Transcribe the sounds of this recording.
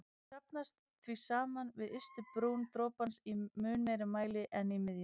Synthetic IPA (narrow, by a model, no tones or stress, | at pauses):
sapnast̪ | θvisaːmanvɪðʏst̪ʏpɾuːwnt̪ɾoːpansimʏːnmeːjɾɪmaːjlɪʔɛnimɪðjʏ